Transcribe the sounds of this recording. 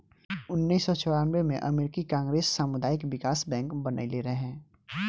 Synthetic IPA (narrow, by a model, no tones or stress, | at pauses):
ʊnːiːsːɔt͡ʃɔɽaːnʋemḛ̃ʔɐmeːɾɪkikãːŋɡɾeːsːaːmʊd̪aːɪkʋɪkaːsbɛ̃ːŋkbəna̰ileɾəɦɛ̃ː